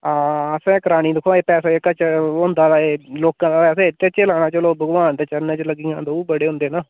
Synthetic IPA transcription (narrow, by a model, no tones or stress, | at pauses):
aːəsẽːkəɾaːniːd̪ɪkʰːoaeːpɛːsaːəkat͡ʃʊ̃nd̪aːd̪aːeːloːkãːd̪aːpɛːs̬eːt̪et͡ʃeːlaːɽ̃aːt͡ʃəloːbʱəɡʋaːnt̪et͡ʃəɾnẽːt͡ʃələɡiːjãːd̪ouːbəɽeːɦʊ̃nd̪eːnaː